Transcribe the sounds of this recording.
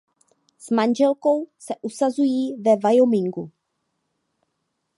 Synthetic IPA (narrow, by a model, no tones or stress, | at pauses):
smand͡ʒɛlko̞wsɛʔusazujiːvɛvajomɪŋɡu